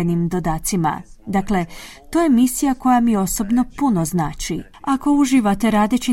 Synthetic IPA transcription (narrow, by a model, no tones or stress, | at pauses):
enimd̪o̞d̪aːt̪sima̰d̪akle̞ | t̪o̞ːje̞misijako̞jamio̞so̞bno̞puno̞znaːt͡ʃi | ako̞uʒiʋat̪e̞ɾaːd̪et͡ɕi